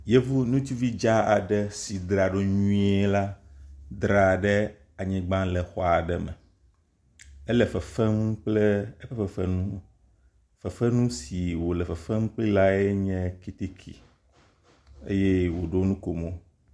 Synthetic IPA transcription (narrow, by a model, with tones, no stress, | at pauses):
je˦vu˦nũ˦t̪i˦vi˦d͡ʒa˦a˨ɖɛ˦si˨d̪ɾa˨ɖo˦ɲũ˦i˦e˦la˦d̪ɾa˨ɖɛ˦ | a˨ɲĩ˨ɡ͡bã˦lɛ˨xɔ˨a˨ɖɛ˨mɛ̰˨ | ɛ˦lɛ˨fɛ˨fɛ˦m˦k͡plɛ˦ɛ˦fɛ˦fɛ˨fɛ˦nũ˦ | fɛ˨fɛ˦nũ˦si˨wo˨lɛ˨fɛ˨fɛ˦m˦k͡pli˦la˦e˦ɲɛ̃˦ki˨t̪i˦kʰḭ˨ | ḛ˦jɛ˦wo˨ɖo˦nũ˦ko˨mõ˦